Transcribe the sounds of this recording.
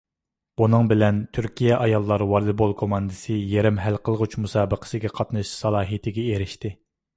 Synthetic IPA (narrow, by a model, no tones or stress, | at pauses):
b̥unɨŋbɪlɛnt̪ʰyɾkʲijɛʔɑjɑlˠːɑɾwɑɾlˠɨbolˠkʰomɑnd̪ɨsɨjeɾɪmɦælqʰəlˠʁut͡ʃʰmusɑːbəqʰə̥sɨɡʲɛqʰɑt̪nɨʃsɑlˠɑːɦɨt̪ʰɪɡʲɛeɾɪʃt̪ɪ